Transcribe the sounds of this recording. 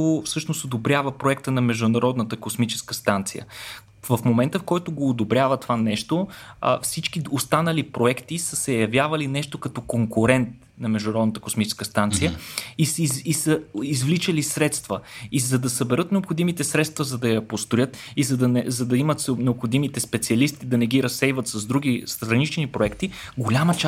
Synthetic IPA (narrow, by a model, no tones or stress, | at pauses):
ofsɤʃnosod̪obɾʲavəpɾoɛkt̪ənɐmɛʒd̪ʊnɐɾɔd̪nət̪əkosmit͡ʃɛ̥skəst̪ant̪sijə̰ | vəfmomɛnt̪əfkɔjt̪oɡoːd̪obɾjavət̪ovanɛʃt̪oə̰fsit͡ʃk̟iost̪anɐlipɾoɛkt̪isəsɛjɐvjavɐlinɛʃt̪okɐt̪ɔkoŋkʊɾɛnt̪̚ | nɐmɛʒd̪ʊnɐɾɔd̪nət̪ə̥kosmit͡ʃɛ̥skəst̪ant̪sijəisisəizvlit͡ʃəlisɾɛt̪st̪vəizɐd̪ɐsɐbɛɾɤt̪nɛopxod̪imit̪ɛsɾɛt̪st̪vɐzɐd̪ɐjɐpost̪ʊjɤt̪izɐd̪ɐnɛzɐd̪ɐimət̪snɛopxod̪imit̪ɛspɛt̪siɐlist̪id̪ɐnɛɡiɾɐsːɛjvət̪sɐzd̪ɾuɡ̟ist̪ɾɐnit͡ʃnipɾoɛkt̪i | ɡolʲamɐt͡ʃa